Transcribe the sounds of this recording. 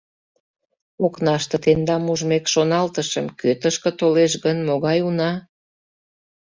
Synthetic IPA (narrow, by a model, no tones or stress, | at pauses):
oknɑʃt̪ə̆t̪end̪ɑmuʒmekʃonɑlt̪əʃəmkøt̪əʃkə̆t̪oleʃ̬ɣənmoɣɑjunɑ